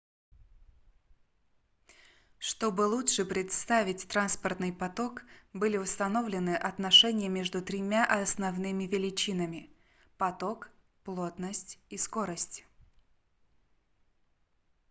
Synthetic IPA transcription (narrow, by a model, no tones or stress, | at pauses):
ʂt̪o̞bɨlˠutʂɨpɾʲɪt̪st̪avʲɪtʲt̪ɾanspərt̪nɨjpɐt̪o̞kbɨlʲɪʊst̪ɐno̞vlʲɪnɨʔɐt̪nɐʂɛnʲɪjəmʲe̞ʐd̪ʊt̪ɾʲɪmʲaʔɐsnɐvnɨmʲɪvʲɪlʲɪt͡ɕinəmʲɪ | pɐt̪o̞k | plˠo̞t̪nəsʲtʲisko̞ɾəsʲtʲ